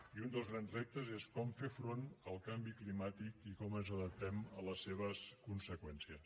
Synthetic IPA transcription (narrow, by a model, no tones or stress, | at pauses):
iund̪əlˠzɣɾanzrɛp̚t̪əzeskɔmfefɾonəlˠkambiklimat̪ikikɔmənzəðəp̚t̪ɛmələsːeβ̞əskunsəkwɛnsiəs